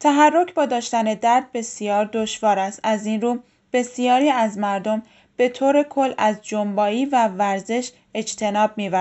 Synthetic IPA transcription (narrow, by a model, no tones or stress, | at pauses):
t̪ʰæɦærːo̞cʰbɒːd̪ɒːʃt̪æne̞d̪æɾd̪̚be̞sijɒːɾd̪o̞ʃvɒːɾæst̪æzinruː | b̥e̞sijɒːɾiːæzmæɾd̪o̞m | b̥e̞t̪ʰoːɾe̞kʰo̞lːæzd͡ʒombɒːiːvævæɾze̞ʃ | e̞d͡ʒt̪ʰe̞nɒːb̚miːvæ